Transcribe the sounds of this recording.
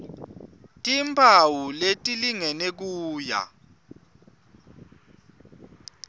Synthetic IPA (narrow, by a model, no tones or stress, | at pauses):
tʼimpʰawuletʼiliŋɛnek̬uːja̰